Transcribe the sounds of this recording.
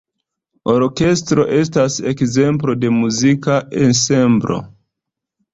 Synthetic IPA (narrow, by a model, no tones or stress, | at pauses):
o̞ɾke̞stɾo̞̰ʔe̞stase̞kze̞mp̬lo̞de̞muzikaʔe̞nse̞mbɾʔo̞̰